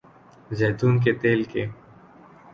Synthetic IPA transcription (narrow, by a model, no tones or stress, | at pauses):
zeːt̪uːnk̬et̪eːlke